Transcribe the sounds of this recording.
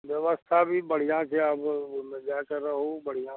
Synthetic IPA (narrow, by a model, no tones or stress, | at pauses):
ʋjəʋəst̪ʰabʱibəɽ̤ijãːt͡ʃʰeəbmed͡ʒaːkəɾəɦobəɽ̤ijãː